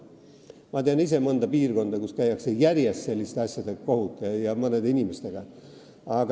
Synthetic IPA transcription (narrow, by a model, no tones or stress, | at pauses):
mɑt̪eɑnis̬e̞mɤnd̪̥ɑpiːrko̞nd̪̥ɑkuskæjːɑkse̞jæɾjest̪se̞lʲːist̪eɑsʲjɑd̪̥eɡ̥ɑkohut̪ːˑɑjɑmɤne̞d̪inʲimest̪e̞ɡ̥ɑ | ɑɡ